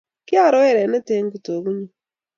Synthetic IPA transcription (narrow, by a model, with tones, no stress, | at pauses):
kɪ˦a˦˨ɾɔ˦ɛ˦˨ɾɛ˨nɛ˦te˦ŋɡu˨to˨ɡu˦ɲi˦